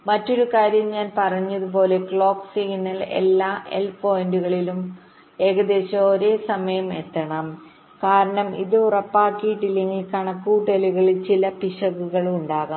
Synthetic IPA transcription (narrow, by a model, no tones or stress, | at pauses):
mɐtːo̞ɾukaːɾjɐmɲaːnpɐrɐɲːɐðup̬o̞ːle̞kɭo̞ːksiɡnːɐle̞̰lːaːʔḛlpo̞ːjnduɣɐɭilum | e̞ːɣɐd̪e̞ːɕɐoɾe̞ːsɐmɐjɐme̞̰t̪ːɐɳɐm | kaːɾɐɳɐmiðɨurɐpːaːkːiiʈːilːe̞ŋɡilkɐɳɐkːuːʈːɐliɣɐɭilt͡ɕilɐpiʂɐɣuɣɐɭuɳɖaːɣa